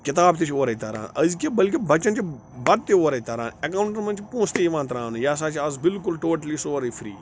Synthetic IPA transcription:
kɪt̪aːbt̪et͡ʃʰoːɾɐit̪ɐɾã̰ːnɐzkebɐlkibɐt͡ʃɐnt͡ʃi | bɐd̪̚t̪eoːɾɐit̪ɐɾã̰ːnɐkaːwɳʈɐɾmɐnt͡ʃʰipõːst̪eiʋãːnt̪ɾãːnujaːs̬aːt͡ʃʰazbɪlkʊlʈoːʈɐliːsoːɾiːfɾḭː

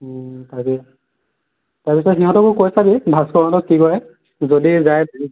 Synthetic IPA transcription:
takɛ | taɹpisɔtxiɦɔ̃tɔkʊkojsabibʱaskɔɹɔnɔtɔkikɔɹɛ | zodizajd

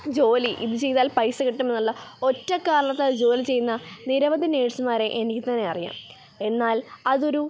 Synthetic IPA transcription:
d͡ʑo̞ːliʔiðut͡ɕe̞jt̪aːlpɐjsɐkiʈːume̞nːuɭːɐo̞tːɐkːaːɾɐɭɐt̪ːed͡ʑo̞ːlit͡ɕe̞jːunːɐniɾɐʋɐd̪ʱjɐne̞ːʈsumaːɾe̞ʔenikʲːit̪ɐnːe̞ɐrija̰ːm | e̞nːaːlɐðo̞ɾu

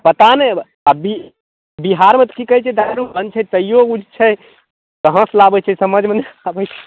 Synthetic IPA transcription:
pət̪ane | abi | biɦaɾmẽt̪kikəɦɛt͡ʃʰɛd̪ajɾupbənt͡ʃʰɛt̪əijoud͡ʒt͡ʃʰɛ | k̪əɦə̃slabət͡ʃʰɛsəməd͡ʒʱmenabət͡ʃʰɛ̥

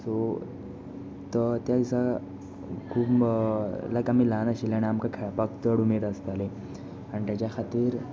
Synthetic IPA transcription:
so | t̪ət̪jaɡisa | kʰuːp | lakamilanaɕilaɽ̃iamkakʰpək̚t̪əɽumeɾəst̪ale | anit̪jat͡ɕjakʰat̪iːɾ

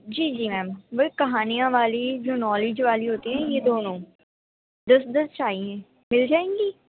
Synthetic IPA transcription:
d͡ʒiːd͡ʒiːmɛ̃ːmʋɐɦikɐɦaːnijãʋaːlid͡ʒoːnɔːlɪd͡ʒʋaːliɦoːt̪iɦɛ̃ːjed̪oːnõː | d̪ɐsd̪ɐst͡ʃaːiɦɛ̃ː | mɪld͡ʒaːẽːŋɡiː

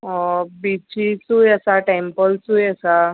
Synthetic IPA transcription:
bit͡ɕit͡sujəsaʈempəlsuːjəsa

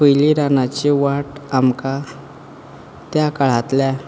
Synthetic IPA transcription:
pəjliɾanat͡ɕiʋaʈamka | t̪jakaɭ̤at̪lja

